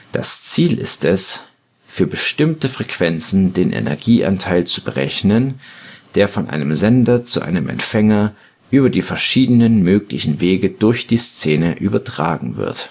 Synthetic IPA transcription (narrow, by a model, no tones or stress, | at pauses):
d̥a̰st͡siːlʔɪ̰stɛs | fyːɐbəʃtɪmtəfʁ̥ɛkv̥ɛnt͡sn̩deːnʔɛ̰nɛ̰ɐɡiːʔa̰ntʰaɪlt͡subəʁɛ̰çnənd̥eːɐfɔnʔa̰ɪnəmzɛndɐt͡suʔa̰ɪnəmʔɛ̰ntfɛŋɐ | ʔyːbɐdiːfɛɐʃiːdənənmøːklɪçn̩veːɡəd̥ʊɐçd̥iːst͡seːnəʔyːbɐtʁ̥aːɡŋ̩vɪ̰ɐt